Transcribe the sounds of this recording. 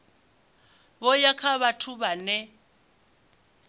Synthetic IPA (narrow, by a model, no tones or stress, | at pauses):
bɔjakʰaβatʰuβanɛ